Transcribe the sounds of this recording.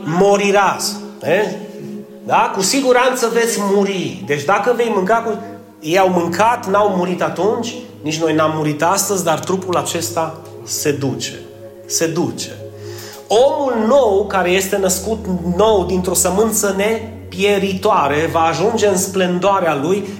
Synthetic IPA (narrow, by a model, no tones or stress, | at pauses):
moɾiɾase | d̪akusiɡuɾant̪səve̞t̪sʲmuɾid̪e̞t͡ʃʲd̪akəve̞jmɨŋkaku | ejawmɨŋkʰat̪nawmuɾit̪at̪unt͡ʃʲ | nit͡ʃʲno̞jnamːuɾit̪ast̪əzʲd̪art̪ɾupulat͡ʃe̞st̪a | se̞d̪ut͡ʃe̥ | se̞d̪ut͡ʃe̞ | o̞mulno̞wkaɾe̞je̞st̪e̞nəskut̪no̞wd̪int̪ɾo̞səmɨnt̪səne̞ | pje̞ɾit̪oaɾe̞vaːʒund͡ʒe̞ɨnsplənd̪oaɾealuj